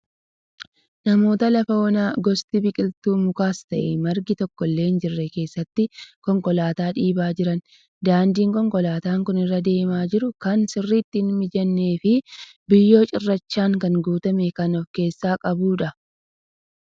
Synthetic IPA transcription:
nɐmo̞ːt̪ɐlɐfɐːnaːɡɔst̪ɪbɪkʼɪlt̪uːmʊkaːst̪ɐʔɛmɐɾɡɪt̪ɔkːɔlːe̞ːnd͡ʒɪrːɛke̞ːsːɐt̪ːɪkɔŋkʼɔlaːt̪aːᶑiːbaːd͡ʒɪɾɐn | d̪aːnd̪iːŋkʼɔŋkʼɔlaːt̪aːŋkʊnɪrːɐd̪e̞ːmaːd͡ʒɪɾʊkɐnsɪrːiːt̪ːɪnmɪd͡ʒɐnːe̞ːfɪ | bɪjːo̞ːt͡ʃʼɪrːɐt͡ʃːaːŋkɐŋɡuːt̪ɐmɛkɐnɔfke̞ːsːaːkʼɐbuːᶑɐ

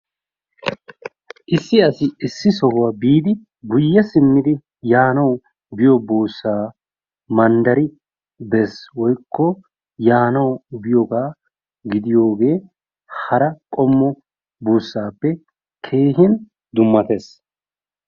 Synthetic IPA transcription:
ʔɪsːɪɐsɪɪsːɪsɔhʊwabiːd̪ɪ | ɡʊjːɐsɪmːɪd̪ɪ | jaːnɐw | bɪjɔbuːsːaː | mɐnd̪ɐɾɪ | bɛswɔjkʰːɔ | jaːnɐwbɪjɔɡaː | ɡɪd̪ɪjo̞ːɡe̞ː | hɐɾɐkʼɔmːɔ | buːsːaːpːɛ | kʰe̞ːɦɪn | d̪ʊmːɐt̪e̞ːs

